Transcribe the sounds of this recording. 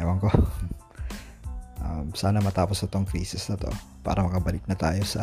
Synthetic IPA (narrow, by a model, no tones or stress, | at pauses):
ɛwɐŋko | ʔamsaːnɐmɐt̪aːposɐt̪oŋkɾiːsɪsnɐt̪o̰ | pa̰ːɾɐmɐkɐbɐlɪk̚nɐt̪aːjo̞sɐ